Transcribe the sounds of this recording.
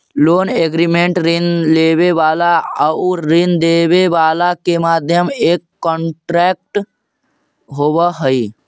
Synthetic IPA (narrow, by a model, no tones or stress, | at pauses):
loːneɡɾimẽɳʈɾinleːʋeʋaːlaəuɾind̪eːʋeʋaːlakemaːd̪ʱjəmeːkːɔ̃ːɳʈɾɛːk̚ʈ | ɦoʋəɦəi